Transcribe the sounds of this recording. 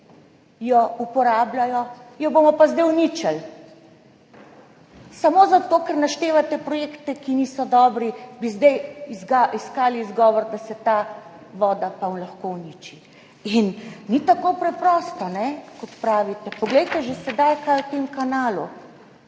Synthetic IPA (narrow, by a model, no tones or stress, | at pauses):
jɔupɔɾaːblajɔjɔbomɔpazd̪ɛjunit͡ʃəl | samoːzat̪oːkəɾnaʃt̪eːʋat̪ɛpɾɔjeːkt̪ɛkinisɔd̪ɔːbɾibizd̪ɛjizɡaiskaːliːzɡɔːʋɔɾd̪asɛt̪a | ʋɔːd̪apanlaxkowniːt͡ʃi | innit̪akopɾɛpɾɔːst̪ɔnɛkɔt̪pɾaːʋit̪ɛpɔɡlɛjt̪ɛʒesɛd̪ajkajut̪emkanaːlu